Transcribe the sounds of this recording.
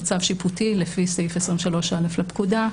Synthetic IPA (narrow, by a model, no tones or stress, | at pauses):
t͡savʃiputilefisejfesʁimʃalo̞ʃaleflapkuda